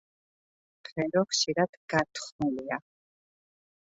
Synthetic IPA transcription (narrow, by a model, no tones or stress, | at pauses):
pʰɛɾɔχʃiɾad̪̥ɡat̪ʰχnulia